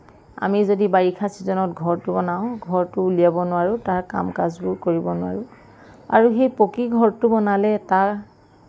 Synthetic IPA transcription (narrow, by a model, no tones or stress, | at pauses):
a̰mizodibaɹikʰasizɔnɔtɡʱɔɹtʊbɔnaʊ̃ɡʱɔɹtʊlijabɔnʊwaɹʊtaɹka̰mkazbʊɹkoɹibɔnʊa̰ɹʊ | a̰ɹuxejpokiɡʱɔɹtʊbɔnalɛtaɹ